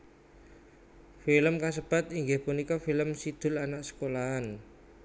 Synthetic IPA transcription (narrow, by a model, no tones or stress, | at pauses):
filəmkas̬əb̥at̪iŋɡɪhpunikɔfiləmsid̪̥ʊ̤lanaʔsə̥kolaan